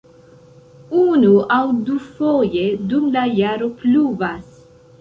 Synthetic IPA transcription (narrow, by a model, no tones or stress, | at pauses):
unuawd̪ufojed̪umlajaɾopluvas